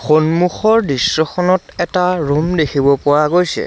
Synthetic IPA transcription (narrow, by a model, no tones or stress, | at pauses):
xonmuxɔɹdisːɔxʰɔnɔtɛtaɹumdekʰibɔpɔɹaɡojsɛ̰